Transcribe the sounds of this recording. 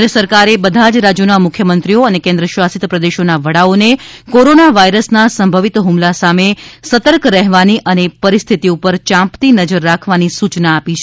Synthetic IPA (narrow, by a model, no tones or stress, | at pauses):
d̪ɾəsəɾkaɾebəd̪ʱad͡ʒɾad͡ʒjunamʊkʰjəmənt̪ɾioənekẽnd̪ɾəʃʋasit̪pɾəd̪eʃonaʋəɽaonekoɾonaʋaiɾəsnasəmbʱəʋit̪ɦumlasamesət̪əɾkɾɛɦʋaniʔənepəɾist̪ʰit̪iupəɾt͡ʃãmpt̪inəd͡ʒəɾːakʰʋanisut͡ʃnaːpit͡ʃʰ